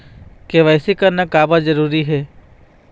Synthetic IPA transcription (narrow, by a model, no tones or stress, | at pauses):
keʋɛːsikɐɾnakaːbad͡ʒɐɾuːɾiɦɛː